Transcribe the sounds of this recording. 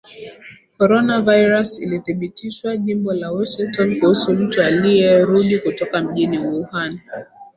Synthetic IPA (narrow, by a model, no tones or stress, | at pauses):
kɔɾɔnavajɾasḭliθiɓitiʃwaʄimbɔlawɔʃiŋtɔnkuhusum̩tualijɛɾuɗikutɔkam̩ʄiniwuhan